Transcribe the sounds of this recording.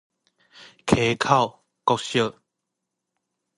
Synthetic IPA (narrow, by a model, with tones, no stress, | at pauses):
kʰe˨˦kʰa˥˨ʊw | kɔ˦k̚ɕjə˥˨